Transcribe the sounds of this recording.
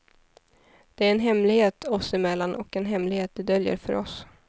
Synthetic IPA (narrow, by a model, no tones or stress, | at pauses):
d̪̥ɛæɾɛnɦɛmlɪɡheːt̪ʰɔsɪmɛlːanʔɔkɛnɦɛmlɪɡheːt̪̚d̪ɪd̪œljə̰ɾfœ̰ɾɔ̰s